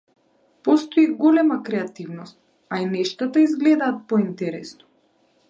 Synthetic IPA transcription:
pɔst̪ɔiɡɔlɛmakɾɛat̪ivnɔst̪̚ | ainɛʃt̪at̪aizɡlɛd̪aːt̪̚pɔint̪ɛɾɛsnɔ̥

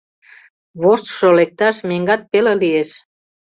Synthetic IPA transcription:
βoʃt̪ʃolek̚t̪ɑʃmeŋɡɑt̪̚pelelieʃ

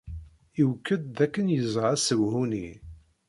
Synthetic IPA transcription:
iwkːəd̪ːækːənjəzʁæsəwhuni

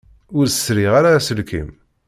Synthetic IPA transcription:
ʊɾə̥sɾiʁaɾasəlkḭm

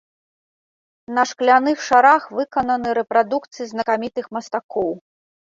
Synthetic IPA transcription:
nɐʂklʲanɨxʂaɾaxvɨkɐnɐnɨɾɛpɾad̪ukt̪sɨjiznɐkamʲit̪ɨxmɐst̪akɔw

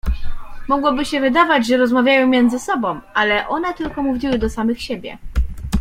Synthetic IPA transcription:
mɔɡwɔbɘɕɛvɘd̪avad͡ʑʐɛɾɔzmavʲjajɔ̃wmʲjɛnd̪zɘsɔbɔ̃w̃ʔalɛʔɔnɛt̪ɘlkɔmuvʲiwɘd̪ɔsamɘxɕebʲjɛ̰

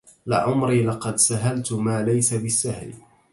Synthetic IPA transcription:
lɪ̰ʕʊmɾiːlɑqɑd̪saɦalt̪maːlajsabɪsːahl

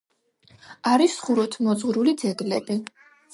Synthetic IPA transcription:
aɾisχuɾɔt̪ʰmɔd̪zʁɾulid̪zɛɡlɛbi

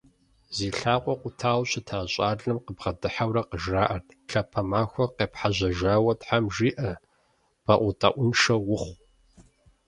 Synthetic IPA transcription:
ziːɬaːqʷʼɔqʷʊtʰaːwɕɪtʰaːɕʼaːɮɐmqəbʁɐdɨħawɾɐqəʒraːʔɐrt | ɬɐpʰɐmaːxʷɔqeːpħaʑɐʒaːwɐtħamʒiːʔɐ | b̥aʔʷʊtʼa̰ʔʷʊnʃɐwʊχʷ

